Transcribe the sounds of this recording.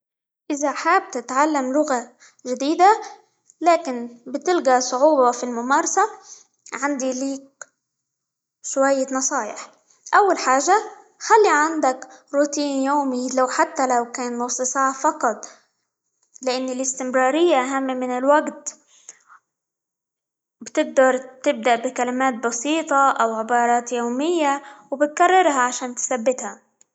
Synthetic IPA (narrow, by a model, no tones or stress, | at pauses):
ʔɪzaħaːb̚t̪ɪt̪ʕalːamlʊɣa | ʒɪd̪iːd̪a | laːkɪnbɪt̪ɪlɡasˤʊʕuːbafilmʊmaːɾˤɑsa | ʕand̪iliːk̚ | ʃwajːanɑsˤɑːjɪ̰ħ | ʔawːalħaːʒa | xalːiʕand̪akɾuːt̪iːnjoːmilawħat̪ːalawkaːnnʊsˤːsaːʕafɑqɑt̪ˤ | lɪʔanːɪlɪst̪ɪmɾɑːɾɪjːaʔaɦamːmɪnɪlwaɡt̪ | bt̪ɪɡ̚d̪ɑɾˤt̪ɪb̚d̪aʔbɪkalɪmaːt̪̚bɑsiːt̪ˤɑʔawʕɪbɑːɾˤɑːt̪joːmɪjːawbɪt̪̚karˤːɑɾˤɦaʕaʃaːnt̪sabːɪt̪ha